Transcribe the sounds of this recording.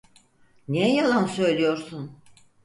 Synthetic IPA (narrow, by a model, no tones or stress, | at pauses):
nejalˠansø̞jlʲijo̞ɾsun